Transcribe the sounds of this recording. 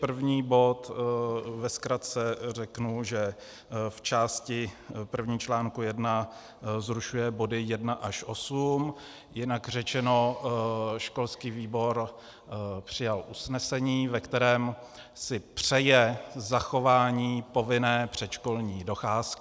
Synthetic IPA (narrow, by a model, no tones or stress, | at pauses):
pr̩vɲiːbo̞t̪ | vɛskɾat̪sɛrɛknuʒɛ | ft͡ʃaːscɪpr̩vɲiːt͡ʃlaːŋkujɛdna | zɾuʃujɛbo̞dɪjɛdnaʔaʃʔo̞sum | jɪnakr̝ɛt͡ʃɛno̞ | ʃko̞lskiːviːbo̞ɾ | pr̝̥ɪjalʔusnɛsɛɲiːvɛkt̪ɛɾɛːm | sɪpr̝̥ɛjɛzaxo̞vaːɲiːpo̞vɪnɛːpr̝̥ɛt̪ʃko̞lɲiːdo̞xaːskɪ